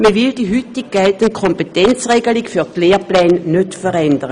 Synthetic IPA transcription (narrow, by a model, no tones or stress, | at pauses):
məvɪld̥iːɦytɪɡ̚ɡ̥ɛltənkʰɔmpetɛnt͡sʁeːɡəlikfyːtleːʁplɛːnnøtfəʁɛndəʁə